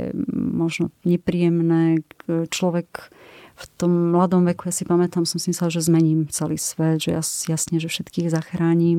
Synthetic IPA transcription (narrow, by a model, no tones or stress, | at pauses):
ɛ̰mɔʒnɔɲɛpɾijɛmnɛːt͡ʃlɔʋɛkft̪ɔmːlad̪ɔmʋɛkujasipamɛt̪amsɔmsimisɛlʒɛzmɛɲiːmt͡sɛlḭːsʋɛd̪ʒɛja̰sjasɲɛʒɛfʃɛt̪kiːɣzaxɾaːɲim